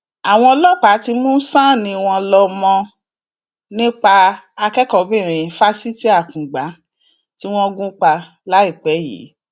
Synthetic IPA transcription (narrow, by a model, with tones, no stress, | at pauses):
a˨w̃ɔ̃˧lɔ˦˨k͡pa˨˦ti˧mũ˦sã˦˨nĩ˧w̃ɔ̃˧lɔ˧mɔ̃˧ | nĩ˦k͡pa˧a˧kɛ˦kɔ˨bĩ˦˨ɾ̃ĩ˨fa˦si˦ti˦a˦˨kũ˨ɡ͡ba˨˦ | ti˦w̃ɔ̃˦ɡũ˦k͡pa˧ | la˨˦i˦˨k͡pɛ˨˦jḭ˨˦